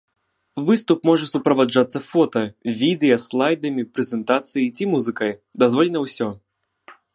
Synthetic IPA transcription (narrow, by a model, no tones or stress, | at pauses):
vɨst̪ʊpmɔʐɨsʊpɾɐvaʐat̪sːəfɔt̪ɐvʲid̪ɨjɐslˠajd̪ɐmʲɪpɾʲɪzʲɛnt̪at̪sɨjɪtʲimuzɨkəjd̪ɐzvolʲɪnəʊsʲɔ